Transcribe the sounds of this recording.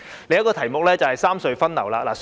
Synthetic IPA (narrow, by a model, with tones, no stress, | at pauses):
le˨˧jɐ˥t̚kɔː˧t̪ʰɐ˨˩jmʊ˨k̚lɛː˥t͡sɐ˨whɐ˨jsaː˥msɵ˧ɥfɐ˥nlɐ̰˨˩wlaː˧la̰ː˨˩